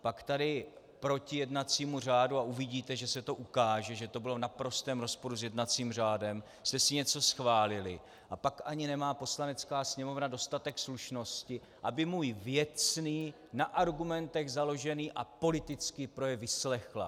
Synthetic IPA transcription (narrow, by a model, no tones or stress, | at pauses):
pakt̪adɪ | pɾo̞cɪjɛdnat͡siːmur̝aːduaʔuvɪɟiːt̪ɛʒɛsɛt̪o̞ʔukaːʒɛʒɛt̪o̞bɪlo̞vnapɾo̞st̪ɛːmɾo̞spo̞ɾuzjɛdnat͡siːmr̝aːdɛm | st̪ɛsɪɲɛt͡so̞sxvaːlɪlɪ̰ | ʔapakʔaɲɪnɛmaːpo̞slanɛt͡skaːsɲɛmo̞vnado̞st̪at̪ɛksluʃno̞scɪ | ʔabɪmuːjvjɛt͡sniː | naʔaɾɡumɛnt̪ɛɣzalo̞ʒɛniːʔapo̞lɪt̪ɪt͡skɪpɾo̞jɛvɪslɛxla̰